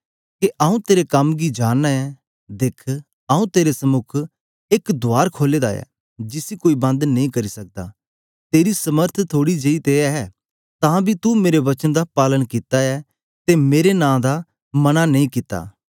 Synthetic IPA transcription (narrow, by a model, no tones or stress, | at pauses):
keʔɐũt̪eːɾekɐmɡid͡ʒaːnːaɛ | d̪eːkʰ | ɐːũt̪eːɾesɐmʊkʰ | ekd̪ʊaːɾkʰoːleːd̪aːɛ̰ | d͡ʒɪsikoːibɐ̃nd̪nɐĩkɐɾisɐk̚d̪a̰ | t̪eːɾisɐməɾt̪ʰt̪ʰoːɽid͡ʒɐit̪eɛɛ | t̪ãːbʱit̪umeːɾeʋɐt͡ʃənd̪apaːlənkɪt̪aɛ | t̪emeːɾenãːd̪a | mɐnanɐĩkɪt̪a̰ː